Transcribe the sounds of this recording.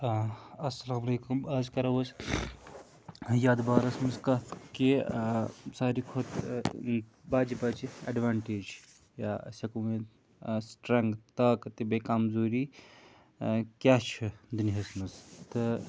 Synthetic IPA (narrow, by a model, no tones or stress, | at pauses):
ɐsɐlaːmɐleːkumɐzkɐɾɐʋɐs | jaːd̪baːɾɐsmɐskɐki | saːɾikʰot̪ | baːd͡ʒibɐd͡ʒiɐ̰ɖʋaːɳʈeːd͡ʒ | ja̰sʲɐkume | sʈɾɐŋɡt̪ɐkt̪ɨbekamzoːɾi | kʲjaːt͡ʃʰid̪unɦɐsmɨst̪ɨ